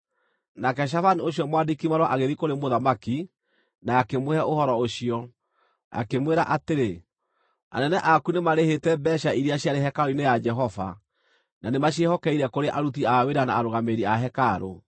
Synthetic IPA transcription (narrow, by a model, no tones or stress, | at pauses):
nakɛʃ̬afanioɕjɔmwadikimaɾwɔʔaɣeðikoɾemoðamaki | naːkemoɛʔohɔɾɔoɕiɔ | a̰kemweɾaʔateɾe | a̰nɛnɛʔakunemaɾehetɛbɛʃaiɾiaɕjaɾeɦɛkaɾoinejad͡ʒɛɦɔva̰ | nanemaɕiehɔkɛiɾɛkoɾeʔaɾut̬iaweɾana̰ːɾoɣameɾiaɦɛkaɾo̰